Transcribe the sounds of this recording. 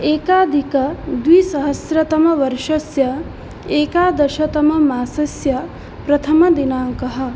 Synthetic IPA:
eːkaːd̪ʱikɐd̪ʋiːsɐɦɐsɾɐt̪ɐmɐʋɐɾʃɐsjɐ | eːkaːd̪ɐʃɐt̪ɐmɐmaːsɐsjɐ | pɾɐt̪ʰɐmɐd̪inaːŋkɐɦɐ̆

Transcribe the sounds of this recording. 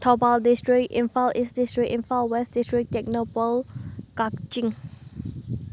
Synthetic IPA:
t̪ʰobaldistɹik̚ḭ̃nfalʔisdistɹikĩnfalwɛsdistɹik̚tɛk̚nopəlkak̚t͡ʃĩŋ

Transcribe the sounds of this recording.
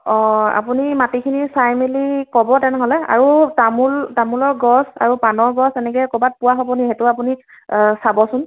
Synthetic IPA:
ɔ̃a̰punimatikʰinisajmelikɔbɔtɛnɛɦɔlɛa̰ɹutamultamulɔɹɡɔsa̰ɹupanɔɹɡɔsɛnɛk̬ɛkɔbat̚puwaɦɔbɔniɦɛtʊap̬uni | sabɔsʊn

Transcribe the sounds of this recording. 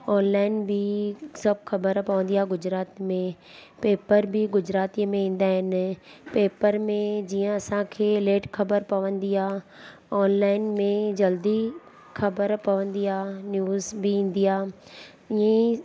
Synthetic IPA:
ɔːnlaːɪnbʱɪsɐbʱxɐbəɾpɐʋə̃n̆d̪iaːɡʊd͡ʑɾaːt̪mẽ | peːpəɾbʱɪɡʊd͡ʑɾaːt̪imẽĩːn̆d̪aːɦɪnpeːpəɾmẽd͡ʑiːə̃ɐsãkʰeːleːʈxɐbəɾpɐʋə̃nd̪iaːɔːnlaːɪnmẽd͡ʑɐld̪i | xɐbəɾpɐʋə̃nd̪iaːnjuːzbiĩːn̆d̪iaː | ɪẽ

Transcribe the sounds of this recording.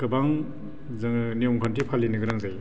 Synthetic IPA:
kɯbaŋ | zɯŋnijɔmkʰantʰipʰalːinɯɡɯɾaŋzaj

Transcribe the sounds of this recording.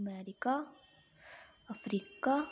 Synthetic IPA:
mɛɾika | ɐfɾika

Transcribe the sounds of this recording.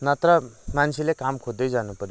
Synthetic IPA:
nat̪ɾʌmant͡sʰilekamkʰod̪ːʌjd͡zanupʌɾjo

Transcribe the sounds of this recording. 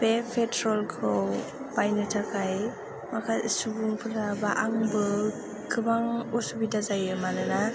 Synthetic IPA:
b̥epʰetɾɔlɡɾow | bajnɯtʰakʰaj | makʰasubuŋpʰɯɾabaʔaŋbɯ | kʰɯbaŋɔsubidazajɯmanɯna

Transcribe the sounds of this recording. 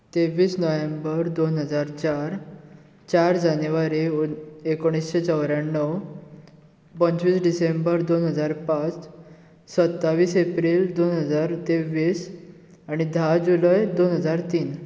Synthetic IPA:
t̪eʋiːsnɔjembəɾd̪onɦəd͡zaɾt͡ɕaɾ | t͡ɕaɾd͡ʑanʋaɾiekoɽ̃isɕet͡səwɾjanːəw | pənt͡sʋiːsɖisẽmbəɾd̪onɦəd͡zaɾpãt͡s | sət̪ːaʋiːsepɾiːld̪onɦəd͡zaɾt̪eʋiːs | aɽ̃id̪ʱad͡ʑuləjd̪onɦəd͡zaɾt̪iːn

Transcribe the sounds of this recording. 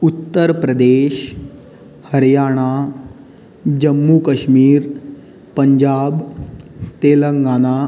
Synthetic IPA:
ut̪ːəɾpɾəd̪eːɕ | həɾjaːɽ̃a | d͡ʑəmːukəɕmiːɾ | pəɲd͡ʑaːb | t̪eləŋɡana

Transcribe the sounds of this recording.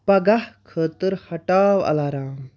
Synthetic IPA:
pɐɡahkʰəːt̪əɾhɐʈaːʋɐ̰laːɾaːm

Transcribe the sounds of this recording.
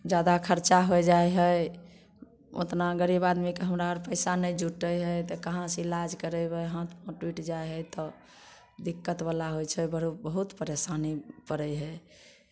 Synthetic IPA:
d͡ʒad̪akʰəɾt͡ʃaɦojd͡ʒaeɦəj | o̰t̪naɡəɾibad̪mikeɦəmɾaəɾpəɪsanəjd͡ʒuʈəjɦəjt̪ɔkəɦãsilad͡ʒkəɾəbəɦãt̪ʰmə̃ʈwiʈd͡ʒajɦəjt̪ɔ | d̪ikːət̪balaɦojt͡ʃʰɛbəɾubəɦut̪pəɾesanipəɾəjɦə

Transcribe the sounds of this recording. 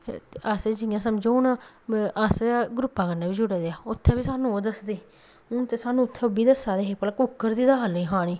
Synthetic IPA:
aseːd͡ʒɪjãːsəmd͡ʒõʊn | aseɡɾʊpːaːkənːãːbiːd͡ʒʊɽeːd̪eaːʊt̪ʰːeːbiːsaːnũːoːd̪əsd̪eː | ʊnt̪eːsaːnũːʊt̪ʰːeːbiːd̪əsaːd̪eːɦeːpəlkʊkːəɾd̪iːd̪aːɦəliːɦãːñiː

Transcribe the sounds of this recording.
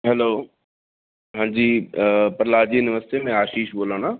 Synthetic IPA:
ɦɛloː | ɦãːɲd͡ʑiːpəɾlaːd͡ʑiːʊnɪʋəst̪imẽaːʃiːʃboːlãːnaː

